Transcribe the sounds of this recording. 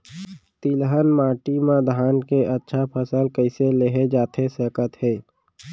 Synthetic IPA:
t̪ilɦənmaːʈimãd̪ʱaːnkeʔətːʃʰapʰəsəlkəɪseleɦed͡ʒaːt̪ʰesəːkət̪ɦeː

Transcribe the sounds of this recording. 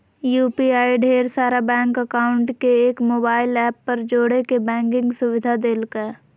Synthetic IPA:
juːpiaːiɖʱeːɾsaːɾabɛ̃ːŋkəkaːʊ̃ɳʈkeeːkmoːbaːɪlɛːpːɐɾd͡ʒoːɽekebɛ̃ːŋkɪ̃ŋɡsʊʋɪd̪ʱad̪eːlkɛː

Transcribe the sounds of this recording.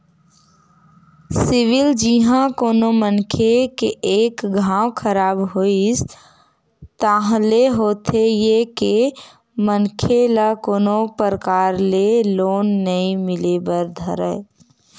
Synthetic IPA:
sɪʋɪld͡ʒiɦãkoːnomənkʰekeʔeːkɡʱãːw̃kʰəɾaːbɦois | t̪aːɦleɦoːt̪ejeke | mənkʰelakoːnopəɾəkaːɾleloːnːəĩmɪlebəɾd̪ʱəɾə̰

